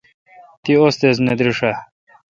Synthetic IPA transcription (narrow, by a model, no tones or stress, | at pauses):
t̪iost̪ezned̪ɾiʂa